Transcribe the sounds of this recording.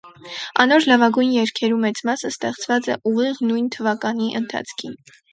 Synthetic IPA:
ɑ̰nɔɾlɑvɑɡujnjɛɾkʰɛɾumɛt͡smɑsəst̪ɛχt͡svɑt͡sɛʔuʁiʁnujnt̪ʰəvɑkɑniʔənt̪ʰɑ̰t͡sʰkʰin

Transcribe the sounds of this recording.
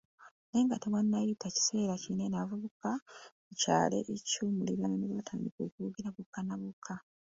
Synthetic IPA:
ne̞ːŋɡatewanːajitaci̥se̞ːɾacine̞navuβuka | eca̰ːle̞̰ʔecuːmuliβananeβaatʰaːndiko̰ːkuuɡiɾaβukːanaβukʰːa

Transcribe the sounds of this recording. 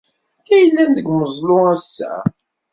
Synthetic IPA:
ækːæjəlːænðəɡməzˤloæsːæ̰

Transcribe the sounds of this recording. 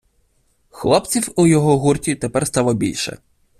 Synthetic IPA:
xlˠɔpt͡sʲiwʊjɔɦɔɦurtʲit̪epɛɾrst̪ɑlˠɔbʲḭlʲʃɛ̰

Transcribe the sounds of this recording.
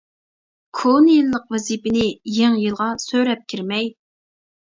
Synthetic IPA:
kʰonjilˠːəqwɛzipɪnɪjeŋjɨlˠʁɑsøɾɛp̚kʲʰiɾmɛj

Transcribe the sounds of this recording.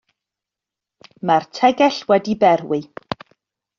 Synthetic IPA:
martʰɛɡɛɬwɛdibɛɾwɪ

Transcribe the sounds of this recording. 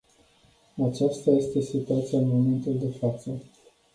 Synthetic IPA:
at͡ʃast̪aje̞st̪e̞sit̪uat̪siaɨnmo̞me̞nt̪uld̪e̞fat̪sə

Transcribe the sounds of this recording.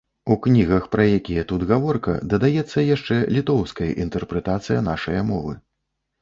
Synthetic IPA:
uknʲiɣɐxpɾɐjakʲijɐt̪ud̪ɣavɔrkɐ̰d̪ɐd̪ajɛt̪sːɐjaʂt͡ʂɛlʲit̪ɔwskɐjɐ̰ʔint̪ɛrpɾɛt̪at̪sɨjɐnaʂɐjɐmɔvɨ̰

